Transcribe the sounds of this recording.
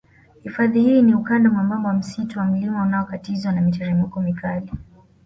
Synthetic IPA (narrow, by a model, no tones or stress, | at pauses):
hifaðihiːniukandamwamambɔwam̩situwam̩limaunaɔkatizwanamitɛɾɛmukɔmikali